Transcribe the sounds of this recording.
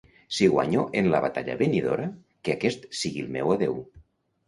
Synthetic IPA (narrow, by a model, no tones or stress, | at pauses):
siɣwa̰ɲoʔenlaβat̪aʎa̰βeniðo̰ɾa | keakɛst̪siɣilˠmɛwaðew